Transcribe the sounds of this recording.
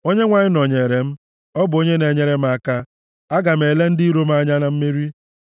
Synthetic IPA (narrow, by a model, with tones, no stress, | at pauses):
o˦ɲe˦ŋʷa˨ɲɪ˦nɔ˨ɲe˨ɾe˨m̩˦ | ɔ˦bʊ˨o˦ɲe˦ne˨ɲe˦ɾe˦m̩˦a˦ka˦ | a˦ɡa˨m̩˨e˨le˦n̩˦di˦ɾo˦m˦a˦ɲa˦na˨m̩˦mi˦ɾi˦